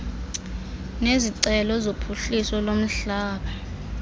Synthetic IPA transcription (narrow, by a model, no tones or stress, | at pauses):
neziǀɛlɔzopʰuɬisɔlom̩ɬaːɓa